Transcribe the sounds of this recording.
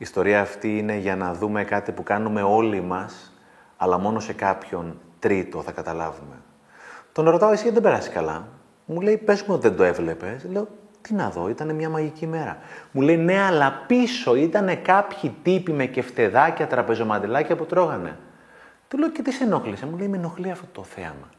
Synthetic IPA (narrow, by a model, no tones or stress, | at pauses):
iːst̪o̞ɾiɐːft̪iine̞ʝɐnɐðume̞kɐt̪ipukɐnume̞o̞limɐs | ɐlɐmo̞no̞se̞kɐpço̞nt̪ɾit̪o̞θɐkɐt̪ɐlɐ̰vume̞̰ | t̪o̞nɾo̞t̪ɐoesiðebe̞ɾɐsi̥skɐlɐ̰ | mule̞ipe̞zumueot̪iðend̪oe̞vle̞pe̞sle̞o̞ | t̪inɐðo̞̰it̪ɐne̞mɲɐmɐʝicime̞ɾɐmule̞jne̞ɐlɐpiso̞it̪ɐne̞kɐpçit̪ipime̞ce̞ft̪e̞ðɐcɐt̪ɾɐpe̞zo̞mɐnd̪elɐcɐput̪ɾo̞ɣɐne̞̰ | t̪ule̞oce̞t̪ise̞no̞xlisemule̞imeno̞xliɐft̪ot̪o̞θeɐmɐ